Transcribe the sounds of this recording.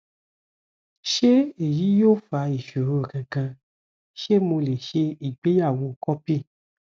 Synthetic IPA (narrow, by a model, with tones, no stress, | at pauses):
ʃe˦e˦˨ji˨˦jo˦fa˧˦i˨ʃo˨ɾo˧˨kã˨kã˧ | ʃe˦mo˧le˨ʃe˧i˨ɡ͡be˨˦ja˦˨wo˧˨kɔ˦pi˦